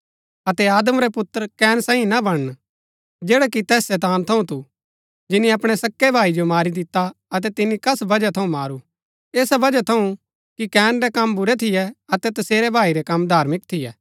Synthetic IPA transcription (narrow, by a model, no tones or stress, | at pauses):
ɐt̪ɛaːd̪əmɾɛpʊt̪ːəɾkɛːnsãːĩnabɐɽ̃ən | d͡ʒeːɽɛkit̪ɛːsːɛːt̪aːnt̪ʰɐũt̪u | d͡ʒɪnĩɐpɽ̃ɛsɐkːɛbʱaːid͡ʒomaːɾid̪ɪt̪ːaɐt̪ɛt̪ɪnːikɐsbɐd͡ʒat̪ʰɐũmaːɾu | eːsabɐd͡ʒat̪ʰɐũ | kikɛːnɾɛkɐmbʱʊɾɛt̪ʰɪjɛɐt̪ɛt̪ɐseːɾɛbʱaːiɾɛkɐmːd̪ʱaːɾmɪk̚t̪ʰɪjɛː